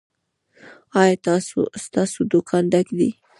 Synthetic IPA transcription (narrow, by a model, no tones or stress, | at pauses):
ɑjɑt̪ɑso̰st̪ɑsod̪ʊkʰɑnd̪akd̪i